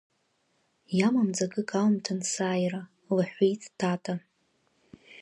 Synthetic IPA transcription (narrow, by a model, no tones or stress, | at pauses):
jamamd͡zaɡʼɨkʼawmtʰansaːjra | laħʷijtʰʼtʰatʰʼa